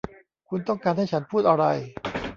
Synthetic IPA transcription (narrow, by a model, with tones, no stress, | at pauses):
kʰu˧nt̪ɔ˥˩ŋkaː˧nha˥˩jt͡ɕʰa˦˥npʰuː˥˩t̪̚ʔa˧ɾa˧j